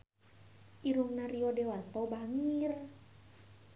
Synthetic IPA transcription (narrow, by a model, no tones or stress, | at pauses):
ʔiɾuŋnaɾiɔdewat̪ɔbaŋiir